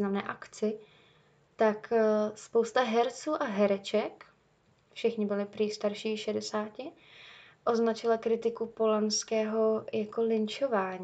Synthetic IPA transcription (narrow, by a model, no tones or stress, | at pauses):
znamnɛːʔakt͡sɪ | t̪akspo̞wst̪aɦɛɾt͡suːʔaɦɛɾɛt͡ʃɛk | fʃɪxɲɪbɪlɪpɾist̪aɾʃiːʃɛdɛsaːcɪ | ʔo̞znat͡ʃɪlakɾɪt̪ɪkupolanskɛːɦo̞jako̞lɪnt͡ʃovaːɲː